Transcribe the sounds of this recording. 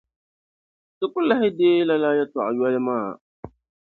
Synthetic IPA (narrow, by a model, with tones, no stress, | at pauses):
sʊ˨kʊ˦lːa˦hɪ˦deː˦la˦la˦ja˦tʊ˨ʔa˨jɔ˦lɪ˦maː˦˨